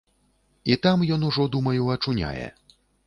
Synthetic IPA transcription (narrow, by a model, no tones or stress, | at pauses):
it̪amjɔnuʐɔd̪umɐjɛwɐt͡ʂunʲa̰jɛ̰